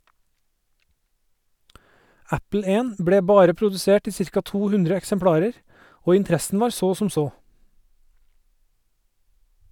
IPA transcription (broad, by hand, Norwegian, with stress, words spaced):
ˈæpl̩ ˈeːn ˈbɽeː ˈbɑːɾə pɾʊdʉˈseːʈ ˈiː ˈsɪɾkɑ ˈtuː ˈhʉndɾə ɛksəmˈpɽɑːɾəɾ ˈoː ɪnˈtɾæsn̩ ˈʋɑːɾ ˈsoː sm̩ ˈsoː